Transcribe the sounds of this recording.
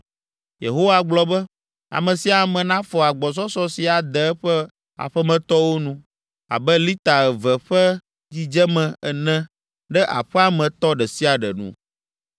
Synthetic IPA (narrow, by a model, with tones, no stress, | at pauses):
je˨ɦo˦wa˦ɡ͡blɔ˨bɛ˦ | a̰˨mɛ̃˨si˨a˨mɛ̃˨nã˦fɔ˨a˨ɡ͡bɔ˨s̬ɔ˦sɔ˦si˨a˨d̪ɛ˨ɛ˦ɸɛ˦ | a̰˨ɸɛ˦mɛ̃˨t̪ɔ˦wo˦nũ˦ | a̰˨bɛ˦li˦t̪a˨ɛ˨vɛ˨ɸɛ˦ | d͡ʑi˦d͡ʒɛ˦mɛ̃˨ɛ˨nɛ̃˦ | ɖɛ˦ʔa̰˨ɸɛ˦a˨mɛ̃˨t̪ɔ˦ɖɛ˨si˦a˨ɖɛ̰˨nṵ̃˦